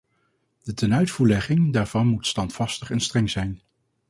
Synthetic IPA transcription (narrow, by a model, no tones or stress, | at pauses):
d̥ətɛnœɥtfuːɹlɛχɪŋdaːɹv̥ɑnmutstɑntfɑstəχɛnstrɛŋzɛjn